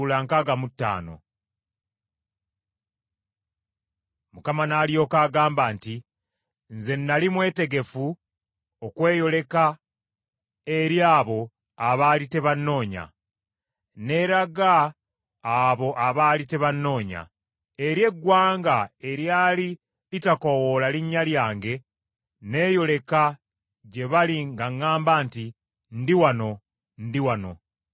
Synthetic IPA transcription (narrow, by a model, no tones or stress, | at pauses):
laŋkaɡamutːa̰ːno̞̰ | mukamanaːlio̞ːkaːɡaːmbaːnti | nze̞nːalimwe̞ːte̞ɡe̞fu | okwe̞ːjo̞le̞ka | e̞ɾjaːβo̞ | aβaːlite̞βanːo̞ːɲa̰ | ne̞ɾaɡaː | βo̞ʔaβaːlite̞βanːo̞ːɲa̰ | eɾje̞ɡwaːŋɡae̞ɾjaːli | litakowolaliɲːaljaːŋɡe̞ | ne̞ːjo̞le̞ka | ɟe̞βaliŋɡaŋːaːmbaːnti | ndiwano̞ | ndiwano̰